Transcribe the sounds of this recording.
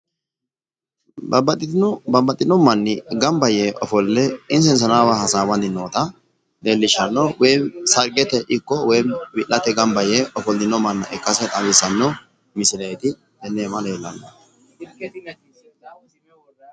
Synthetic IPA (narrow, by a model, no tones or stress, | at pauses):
bɐbɐt̪ʼːɪtnbɐbɐt̪ʼːɪnɔmːɐnːɪɡɐmbɐjeʔɔfɔlːɛɪnsɛns̬ɐnaːwahɐsaːbɐnd̪ɪnoːt̪ɐ | d̪eːlːɪʃɐnːɔwɛjsɐɾɡɛt̪ɛʔɪkːɔwɛjnbɪʔːɐt̪ɛɡɐmbɐjeɔfɔld̪ɪnɔmːɐnːɐʔɛkːɐsɛt̪ʼɐbɪsːɐnːɔ | mɪsɪlɐjt̪ɪ | hɛnːeːmɐlɐɛlːɐnːɐ